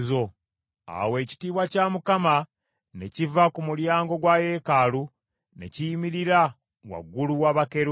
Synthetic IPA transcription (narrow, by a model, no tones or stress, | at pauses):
zo | a̰we̞ːci̥tiːβwacaːmukama | ne̞civakumuljaːŋɡo̞ɡwaje̞ːkaːlu | ne̞̰cijimiɾiɾa | wa̰ɡːuluwaβakeɾ